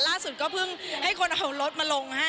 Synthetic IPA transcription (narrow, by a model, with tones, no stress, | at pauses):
laː˥˩su˨˩t̪̚kɔː˥˩pʰɯ˥˩ŋha˥˩jkʰo˧nʔa˨˩o˨˩lo˦˥t̪̚maː˧lo˧ŋha˥˩